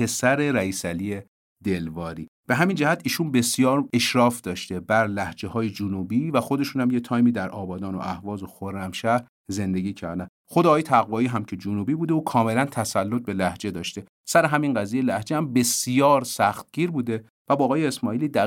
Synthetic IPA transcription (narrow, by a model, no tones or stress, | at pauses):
pʰe̞sæɾe̞ɾæiːsælie | d̪e̞lvɒːɾḭː | b̥e̞ɦæmind͡ʒæhæt̪ʰiːʃunbe̞sijɒːɾe̞ʃɾɒːfd̪ɒːʃt̪e̞bæɾlæhd͡ʒehɒːjed͡ʒunuːbiːvæxo̞d̪e̞ʃuːnhæmjet̪ʰɒːjmiːd̪æɾʔɒːbɒːd̪ɒːno̰ʔæhvɒːzo̞xoɾːæmʃæɾ | ze̞nd̪e̞ɟiːcʰæ̰ɾd̪æn | xo̞d̪eːjet̪ʰæɣvɒːiːɦæmcʰe̞d͡ʒunuːbiːbuːd̪euːkʰɒːme̞lænt̪ʰæsælːo̞t̪̚be̞læhd͡ʒe̞d̪ɒːʃt̪e̞ | sæɾeɦæminɢæziːjelæhd͡ʒehæmbe̞sjɒːɾsæxt̪̚ɟ̥iːɾbuːd̪e̞ | væbɒːɣɒːjeesmɒːiːlid̪æ